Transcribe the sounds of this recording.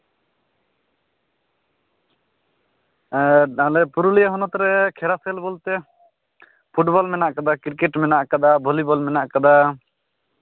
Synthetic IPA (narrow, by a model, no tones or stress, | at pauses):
alɛpuɾulijaɦɔnɔt̪ɾɛkʰɛɾasɛlbɔlt̪ɛ | pʰuʈbɔlmɛnaʔkad̪akiɾkɛʈmɛnaʔkad̪abʱɔlibɔlmɛnaʔkad̪a